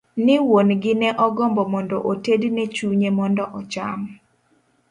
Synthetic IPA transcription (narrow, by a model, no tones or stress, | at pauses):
nɪwonɡɪnɛʔɔɡɔmbɔmɔndɔʔotednɛt͡ʃuɲemɔndɔʔɔt͡ʃam